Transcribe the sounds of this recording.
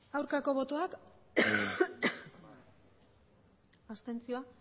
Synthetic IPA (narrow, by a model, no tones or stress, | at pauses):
ɡawɾkako̞βo̞t̪o̞ak | ast̪e̞nt͡sio̞a